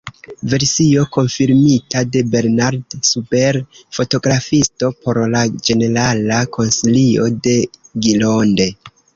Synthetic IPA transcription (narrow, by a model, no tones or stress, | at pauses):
ve̞ɾsio̞ko̞nfiɾmitade̞be̞ɾnaɾdsupe̞ɾfo̞to̞ɡɾafisto̞po̞ɾlad͡ʒe̞ne̞ɾalakʰo̞nsilio̞de̞ɡilo̞nde̞